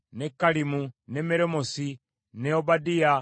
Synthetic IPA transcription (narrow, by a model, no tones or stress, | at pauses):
nekːalimunemeɾemosi | neobadija